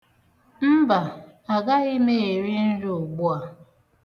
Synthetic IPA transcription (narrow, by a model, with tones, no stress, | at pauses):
m̩˦ba˨ | a˨ɡa˦ɣɪ˦me˦˨e˨ɾi˦n̩˦ɾu˦o˨ɡ͡bu˦a˨